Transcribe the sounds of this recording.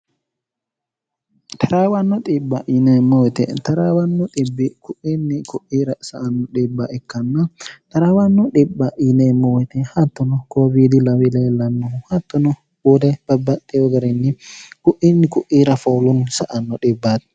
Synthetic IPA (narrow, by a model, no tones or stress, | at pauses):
t̪ʰɐɾaːwɐnːɔt̪ʼɪbːɐʔinɛmːɔwɛt̪ɛ̰t̪ɐɾaːwɐnːɔᶑ̪ɪbːɪkʊʔinːɪkʊʔiːɾɐsɐʔɐnːɔᶑɪbːɐʔɛkːɐnːɐt̪ɐɾaːwanːɔᶑɪbːɐʔinemːɔwɛt̪ɛhat̪ːɔnɔkoːbiːd̪ɪlɐwɪlɛlɐnːɔhat̪ːɔnɔ | wɔːd̪ɛb̥ɐbːɐt̪ʼːɛwɔɡɐɾɛnːɪkʊʔinːɪkʊʔiːɾɐfoːlʊnsɐʔɐnːɔᶑɪbːaːt̪ɛ̥